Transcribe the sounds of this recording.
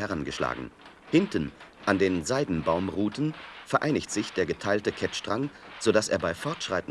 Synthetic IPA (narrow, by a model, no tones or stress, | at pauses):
hɛʁanɡəʃla̰ːɡŋ̩ | hɪntən̩ʔandeːnzaɪdn̩baʊmʁuːtn̩fɛɐʔaɪnɪçtz̥ɪçd̥eːɐɡətʰaɪltəkʰɛtʃtʁ̥aŋz̥odasḛːɐbaɪfɔɐtʃʁ̥a̰ɪtn̩